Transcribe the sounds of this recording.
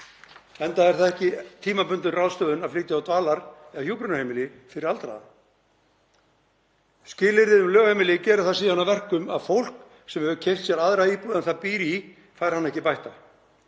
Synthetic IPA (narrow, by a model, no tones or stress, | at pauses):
ɛnt̪aɛɾ̥θaðɛhcɪt̪ʰiːmapʏnt̪ʏrawðst̪œːðʏnaðfliːt̪ɪawt̪vaːlaɾɛahjuːpɾʏnahejmɪlɪfɪɾɪɾalt̪ɾa̰ða | scɪːlɪɾðɪðʏmlœːɣhejmɪlɪcɛːɾʏɾ̥θasiːðanːavɛr̥kʏmaðfowl̥k | sɛmhɛvʏcʰejr̥t̪sjɛɾaðɾaiːpuːðanθapiːɾi | fajɾ̥hanːɛhcɪpajht̪a